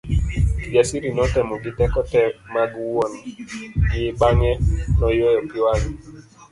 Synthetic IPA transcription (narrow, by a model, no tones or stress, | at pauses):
d͡ʒasiɾinɔtɛmɔɡɪtɛkɔtɛmaɡwɔnɡɪɪbaŋɛnɔjɔjɔkɪwan